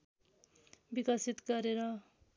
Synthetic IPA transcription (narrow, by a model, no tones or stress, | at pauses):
bikʌsit̪ɡʌɾeɾʌ